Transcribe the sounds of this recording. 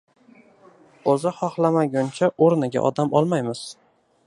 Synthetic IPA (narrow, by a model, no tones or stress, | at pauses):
ozɪχɒχlˠamaɡʲʊnt͡ʃʰaʔoɾnɪɡʲa̰ʔɒ̰d̪amʔɒlˠmajmɪz̥